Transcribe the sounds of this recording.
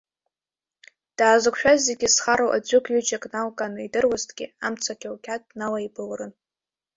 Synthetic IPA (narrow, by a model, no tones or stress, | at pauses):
d̥aːzɨkʷʃᶣazːeɡʲɪsχaɾowʔa̰d͡ʒʷʊkʷʰʼɥʏd͡ʒʼakʼnalkʼanɨidɨrwaztʰʼɡʲɪamt͡sʰakʲʰawkʲʰatʼnalaibɨlrɨn